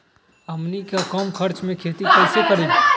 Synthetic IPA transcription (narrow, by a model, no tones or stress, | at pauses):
əmnikakɔmkʰəɾt͡ʃmẽkʰeːt̪ikɛːsekəɾĩ